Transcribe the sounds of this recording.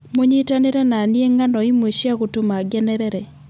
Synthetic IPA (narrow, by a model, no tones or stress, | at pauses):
moɲitanɪɾɛnanjeŋanɔimweʃiaɣʊtʊmaɡɛnɛɾɛɾɛ